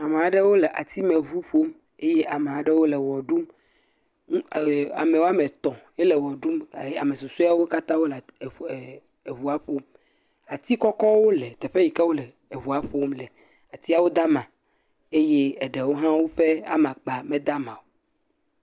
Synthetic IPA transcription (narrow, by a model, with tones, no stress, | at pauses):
a˨me˨a˨ɖe˦wo˦le˨ʔa˨t̪i˦mẽ˨βu˦ɸo˦m | e˦je˦ʔa˨me˨a˨ɖe˦wo˦le˨wɔ˨ɖu˦m˦ | a̰˨me˨wo˦a˦me˨t̪ɔ̃˨je˦lɛ˨wɔ˨ɖu˦ma˨je˦a˨me˨su˨su˦a˦wo˦ka˦t̪ã˦wo˦l | e˨βu˨a˦ɸo˦m | a˨t̪i˦kɔ˦kɔ˦wo˦le˨t̪ɛ˨ɸe˦i˨ka˦wo˦le˨ | e˨βu˨a˦ɸo˦mle˨ | a˨t̪i˦a˦wo˦d̪a˦mã˨ | e˦je˦ɛ˨ɖe˨wo˦ɦã˦wo˦ɸe˦a̰˦mã˨k͡pa˨mẽ˦d̪a˦mã˨wo˨˦